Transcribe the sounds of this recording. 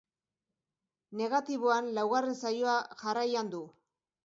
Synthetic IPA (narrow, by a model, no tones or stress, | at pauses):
ne̞ɣat̪iβoanlawɣarensajo̞aʝarajand̪u